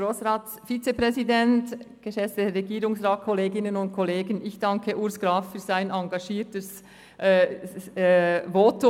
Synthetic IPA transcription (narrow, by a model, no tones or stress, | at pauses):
oːsʁaːt | fit͡sepʁɛzidɛntɡ̥əʃɛftəɾeɡiːɾʊŋsraːt̚kʰɔleːɡɪnənʊnt̚kʰɔleːɡənɪçd̥ɑŋkʰəʔʊɾsɡ̥ɾaːffyːz̥aɪnɑŋɡɑʃiːtəs | ʔ | voːtʊ